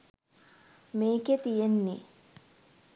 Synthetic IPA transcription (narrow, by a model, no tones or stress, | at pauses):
meːket̪ijenːḭ